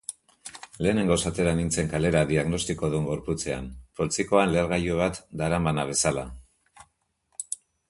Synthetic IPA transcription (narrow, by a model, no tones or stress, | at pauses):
le̞ːne̞ŋɡosat̪e̞ɾanint͡se̞ŋkale̞ɾaðiaɣno̞st̪iko̞ðueŋɡo̞ɾput͡se̞a̰npo̞lt͡siko̞anle̞ɾɣ̞ajoβ̞at̪d̪aɾambanaβ̞e̞sala